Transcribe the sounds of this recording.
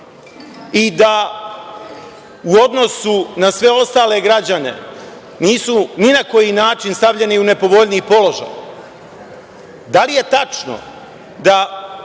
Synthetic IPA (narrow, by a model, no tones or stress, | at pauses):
id̪a | uo̞d̪no̞sunasʋe̞o̞st̪aːle̞ɡɾad͡ʑane̞̰ | niːsuninako̞jinaːt͡ʃinst̪aʋʎe̞niune̞po̞ʋo̞ʎniːpo̞lo̞ʒa̰j | d̪alije̞t̪at͡ʂno̰ | d̪a